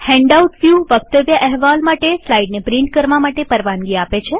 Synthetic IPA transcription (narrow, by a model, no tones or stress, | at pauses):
hɛ̃ɳɖauʈfjuʋək̚t̪əʋjəʔɛɦʋalmaʈeslaiɖnepɾɪ̃ɳʈ̚kəɾʋamaʈepəɾʋanɡiapet͡ʃʰe